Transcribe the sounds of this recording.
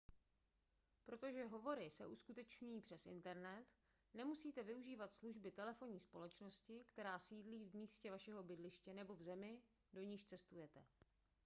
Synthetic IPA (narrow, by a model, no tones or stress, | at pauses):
pɾo̞t̪o̞ʒɛɦo̞vo̞ɾɪsɛ̰ʔuskut̪ɛt͡ʃɲujiːpr̥ɛsɪ̰nt̪ɛɾnɛt̪ | nɛmusiːt̪ɛvɪuʒiːvat̪sluʒbɪt̪ɛlɛfo̞ɲiːspo̞lɛt͡ʃno̞scɪkt̪ɛɾaːsiːdliːvmiːscɛvaʃɛɦo̞bɪdlɪʃcɛnɛbo̞vzɛmɪ | do̞ɲiːʃt͡sɛst̪ujɛt̪ɛ